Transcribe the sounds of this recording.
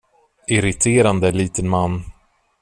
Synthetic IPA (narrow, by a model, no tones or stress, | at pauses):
ɪɾɪt̪ʰeːɾand̪əliːt̪ənmanː